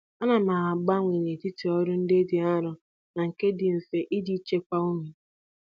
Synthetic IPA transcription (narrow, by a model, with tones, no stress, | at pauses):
a˦na˨ma˨a˨ɡ͡ba˦ŋʷe˨ne˨ti˦ti˨ɔ˦ɾʊ˦n̩˦de˦dɪ˨a˦ɾʊ˨ | na˨ŋ̩˨ke˦dɪ˨n̩˨se˨ʔi˦di˦t͡ʃe˦kʷa˦o˦mi˨